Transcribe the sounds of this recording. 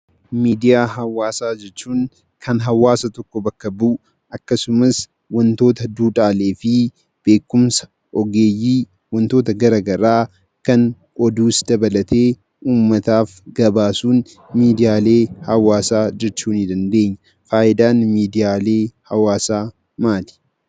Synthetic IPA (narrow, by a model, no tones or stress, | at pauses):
miːd̪ɪjaːɦɐwaːsaːd͡ʒɛt͡ʃːuːŋ | kʰɐnɦɐwaːsɐt̪ɔkːɔbɐkːɐbuʔ | ʔɐkːɐsʊmɐs | wɐnt̪o̞ːt̪ɐd̪uːᶑʼaːle̞ːfɪ | b̥e̞ːkːʊmsɐ̥ | ʔɔɡe̞ːjːiː | wɐnt̪o̞ːt̪ɐɡɐɾɐɡɐɾaː | kɐn | ʔɔd̪uːsd̪ɐbɐlɐt̪ʰe̞ː | ʔuːmːɐt̪aːfɡɐbaːsuːn | miːd̪ɪjaːle̞ːhɐwaːsaːd͡ʒɛt͡ʃːuːnɪd̪ɐnd̪e̞ːɲːɐ̥ | faːʔɪd̪aːnmiːd̪ɪjaːle̞ːhɐwaːsaː | maːt̪ɪ̥